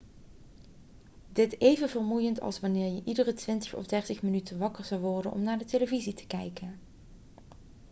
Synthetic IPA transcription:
dɪtejvənvərmujəntɑ̰lˠsʋɑnɪːɹjəʔidərətʋɪntəχɔ̰vdɛɹtəχmənytənʋɑkəɹzɑwʋɔɹdənʔɔ̰mnaːɹdəteləvizitə̥kɛjkən

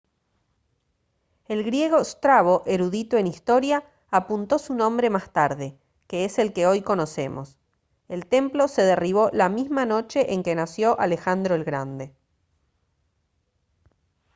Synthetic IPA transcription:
e̞lɣɾje̞ɣost̪ɾaβo̞ʔeɾuðit̪oe̞nist̪o̞ɾjaː | punt̪o̞sunõ̞mbɾe̞mast̪aɾðe̞ | keese̞lkeo̞jko̞no̞se̞̰mʔo̞̰s | elt̪e̞mplo̞seðeriβ̞o̞lamizmano̞t͡ʃe̞ʔeŋkenasjo̞ʔalexand̪ɾoe̞lɣɾand̪e

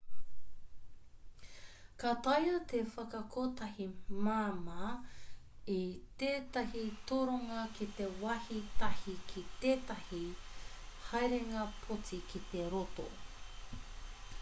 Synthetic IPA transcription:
kat̪ɐjɐt̪efɐkɐkoːt̪ɐhimaːma | it̪eːt̪ɐhit̪oɾoŋɐkit̪e̞wɐhit̪ɐhikʰit̪eːt̪ɐhi | hɐjɾeŋɐpʰot͡sikit̪e̞ɾot̪o̰

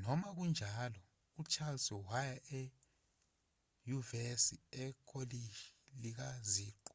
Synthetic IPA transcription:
nɔmak̬und͡ʒʱaːlɔ | ut͡ʃʰalsɔwajaʔɛ | juvesiɛkʰoliʃilik̬aziːǃu

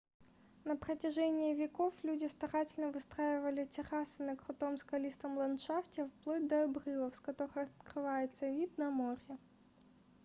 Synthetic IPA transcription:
nəpɾətʲɪʐɛnʲɪːvʲɪkoflʲudʲɪst̪ɐɾatʲɪlʲnəvɨst̪ɾajɪvəlʲɪtʲɪɾasɨnɐkɾʊt̪omskɐlʲist̪əmlˠɐnt̪ʂaftʲɪfplˠod̚ʲd̪ɐɐbrɨlˠəfskɐt̪oɾɨxɐt̪krɨvajɪt̪səvʲid̪nɐmoɾʲɪ

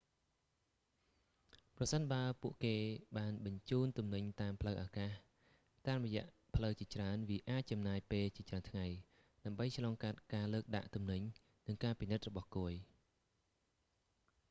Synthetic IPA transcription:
prɑsənɓaəpuəʔkeːɓaːnɓɑɲt͡ɕuːnt̪umnɨɲt̪aːmpʰləwʔaːkaːh | t̪aːmrɔjɛ̆əʔ | pʰləwt͡ɕiət͡ɕraənʋiəʔaːc̚t͡ɕɑmnaːjpeːlt͡ɕiət͡ɕraənt̪ʰŋaj | ɗaəmɓəjt͡ɕʰlɑːŋkat̪̚kaːləːk̚ɗa̰ʔt̪umnɨɲ | nɨŋkaːpinɨt̪̚rɔɓɑhkuəj

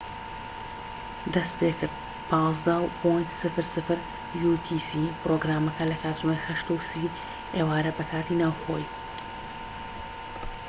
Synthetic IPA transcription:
d̪ɐst̪eːkʰɨɾtd̪̚ | pʰɑːzd̪ɐwpʰojnt̪sɨfɨɾsɨfɨɾ | jut̪ʰiːsipɾoːɡɾaːmɐkʰɐlɐkʰaːt̪ʒʊmeɾhɐʃt̪awsi | eːwaːɾɐbɐkʰaːt̪inaːwxo̰j

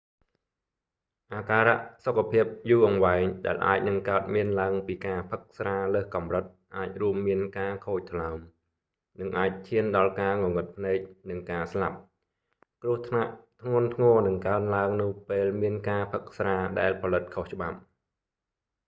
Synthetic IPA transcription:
ʔaːkaːɾa̰ʔsokʰːapʰiəp̚juːʔɑŋʋaɛŋɗa̰ɛlʔa̰ːc̚nɨŋkaət̪̚miənlaəŋpiːkaːpʰɨk̚sraːləːhkɑmrɨt̪̚ʔaːc̚ruəmːiənkaːkʰoːc̚t̪ʰlaəm | nɨŋʔaːc̚t͡ɕʰiənɗɑlkaːŋoŋɨt̪̚pʰneːk̚nɨŋkaːslap̚ | krʊ̆əht̪ʰnaʔt̪ʰŋʊənt̪ʰŋɔːnɨŋkaənlaəŋnʊ̆əpeːlmiənkaːpʰɨk̚sraːɗaɛlpʰɑlɨt̪̚kʰoht͡ɕə̆ɓap̚

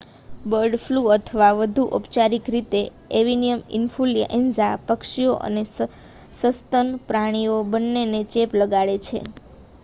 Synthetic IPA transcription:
bəɾɖfluət̪ʰəʋaʋəd̪ʱuʔo̰pt͡ʃaɾikɾit̪e | eʋinijəmḭnfulja̰ʔɛnzapəkʃioʔə̰ne | səst̪ənpɾaɽ̃iobənːenet͡ʃepləɡaɭet͡ʃʰḛ

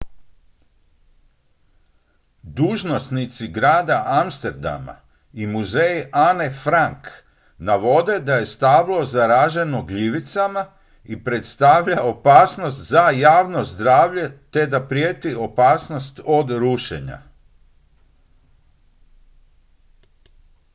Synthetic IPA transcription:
d̪uːʒno̞snit̪siɡɾaːd̪aʔamst̪eɾd̪a̰ma̰ | imuzejanefɾaŋk | naʋo̞d̪e̞d̪aje̞st̪aʋlˠo̞zaɾaːʒenoɡʎiʋit̪sama | ipɾet̪st̪aʋʎao̞paːsno̞st̪zajaːʋno̞zd̪ɾaːʋʎe̞t̪e̞d̪apɾijeːt̪io̞paːsno̞st̪o̞d̪ɾuʃḛɲa̰

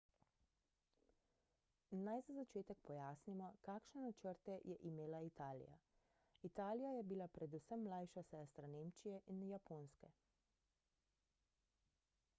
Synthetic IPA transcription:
najzazat͡ʃeːt̪ɛk̚pɔjaːsnimɔkaːkʃnɛnat͡ʃəɾt̪ɛjɛʔimeːlait̪aːlḭja̰ | it̪aːlijajɛbilapɾɛd̪usəmːlajʃasɛːst̪ɾaneːmt͡ʃijɛʔinjapoːnskɛ

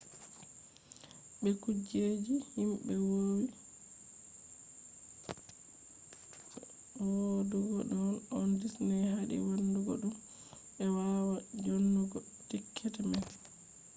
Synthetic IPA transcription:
ɓɛkud͡ʒed͡ʒihimɓɛwowi | woduɡɔɗɔnɔndisnɛhaɗḭwanduɡɔɗum | ɛwawad͡ʒonːuɡɔ | tikʰːɛtɛmɛn

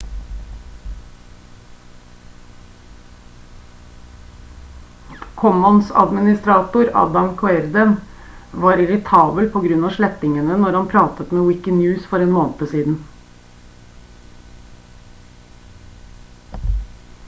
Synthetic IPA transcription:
kʰɔmɔnsɑ̰d̪mɪnɪst̪ɾɑːt̪ʊɾɑ̰ːd̪ɑmkʰɔɛɾd̪ən | ʋɑːɾɪɾɪt̪ʰɑːbəlpʰoːɡɾʉnɑːʂɭɛt̪ɪŋənənɔɾhɑnpʰɾɑːt̪ət̪meːwɪkənjʉːsfɔɾeːnmoːnt̪əsiːd̪n̩

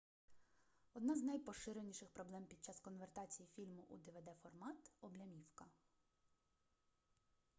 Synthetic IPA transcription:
ɔd̪nɑznɐjpɔʃɪɾenʲiʃɪxpɾɔblˠɛmpʲid̪̚t͡ʃɑskɔnʋert̪ɑt͡sʲijifʲilʲmʊʔṵd̪eʋed̪ɛfɔrmɑt̪ɔblʲɐmʲiwkɐ

